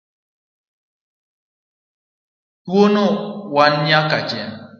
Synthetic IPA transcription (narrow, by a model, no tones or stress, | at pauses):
twonowanɲakad͡ʒɛn